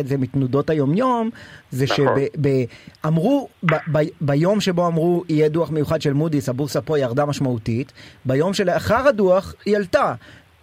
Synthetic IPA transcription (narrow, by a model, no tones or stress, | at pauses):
etzemitnudo̞thajo̞mjo̞mzeʃebebeamʁubababajo̞mʃe̞bo̞amʁuijeduaχmejuχadʃelmudisabusapo̞jaʁdamaʃmautitbajo̞mʃelaχaʁaduaχjalta